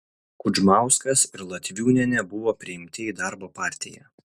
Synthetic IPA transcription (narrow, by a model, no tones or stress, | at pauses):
kʊd͡ʒmɑˑʊskɐsɪɾlˠɐt̪ʲʋʲuːnʲɛnʲɛbʊʋoːpʲɾʲɪɪmʲt̪ʲɪiːd̪ɑɾboːpɑːˑɾʲt̪ʲɪjɛ̰